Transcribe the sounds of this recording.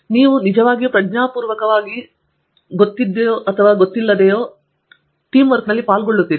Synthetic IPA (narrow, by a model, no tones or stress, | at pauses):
niːʋunid͡ʒɐʋaːɡijupɾɐdɲaːpuːɾʋɐkɐʋaːɡi | ɡot̪ːid̪ːejoːʔɐt̪ʰɐʋaːɡot̪ːilːɐd̪ejoː | ʈiːmʋɐɾknɐlːipaːlɡoɭːut̪ːiːɾi